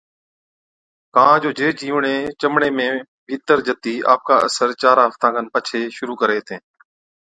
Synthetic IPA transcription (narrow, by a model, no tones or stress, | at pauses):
kãːd͡ʒoːd͡ʒeːd͡ʒiːʋɳeːt͡ʃəmɳeːmẽː | bʱiːt̪əɾd͡ʒət̪iːʔa̰ːp̚kaːʔəsəɾt͡ʃaːɾaːɦəft̪ãːkʰənpət͡ʃʰeːʃʊɾuːkəɾeːt̪ʰẽː